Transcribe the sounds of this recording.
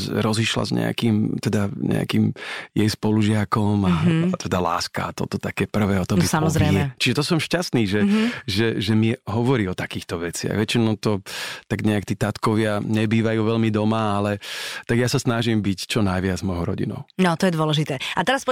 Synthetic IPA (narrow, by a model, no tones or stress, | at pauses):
ɾɔziʃla̰zɲɛ̰a̰kimt̪ɛd̪aɲɛ̰a̰kiːmjɛjspɔluʒɪakɔmat̪ɛd̪ala̰ːska̰at̪ɔ̰t̪ɔt̪akɛːpr̩ʋɛːɔt̪ɔbisamɔzɾɛɛt͡ʃiʒɛt̪ɔsɔmʃcast̪niːʒɛʒɛʒɛmiɦɔʋɔɾiːɔt̪akiːxt̪ɔʋɛt͡sɪa̰ɣʋɛt͡ʃinɔʊt̪ɔt̪aɡɲɛakt̪iːt̪at̪kɔʋɪaɲɛbiːʋajuːʋɛlmid̪ɔmaalɛt̪aɡjasasnaʒimbict͡ʃɔnajʋɪad͡zmɔjɦɔʊɾɔ̰ɟḭnɔ̰ʊnɔt̪ɔjɛd̪ʊɔlɛʒit̪ɛːat̪ɛɾaspɔ